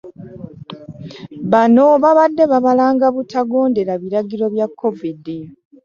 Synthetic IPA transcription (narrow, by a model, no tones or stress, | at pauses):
βano̞βaβadːe̞βaβalaːŋɡaβutaɡo̞ːnde̞ɾaβiɾaɡiɾo̞βjakʰːo̞vidi